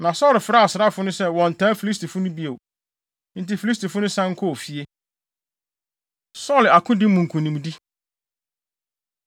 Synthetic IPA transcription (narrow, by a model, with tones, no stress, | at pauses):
nã˨sɔː˦lɪ˨fɪ˨ɾa˦a˨sɪ˨ɾa˦˨fʊ˦nʊ̃˦sɛ˦wɔ̃˨n̩˨tʰãː˦fi˨li˦sti˨fʊ˦nʊ̃˦bi˦e˨ | n̩˦ti˦fi˨li˦sti˨fʊ˦nʊ̃˦sã˦ŋ̩˦kʰɔ˦˨fi˦e˦ | sɔ˦˨la˨kʰʊ̃˦dɪ˦mũ˨ŋ̩˨kʰũ˨nĩ˨mdi˦